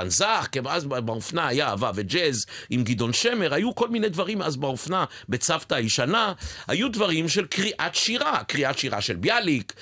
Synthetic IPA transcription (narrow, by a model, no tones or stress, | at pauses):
anzaχkemazbaofnaajaavaved͡ʒezimɡid̪o̞nʃeme̞ʁajuko̞lminejd̪vaʁimazbaofnabe̞t͡saft̪aiʃanaha̰jud̪vaʁimʃelkʁiʔat̪ʃiʁakʁiʔat̪ʃiʁa̰ʃelbjalik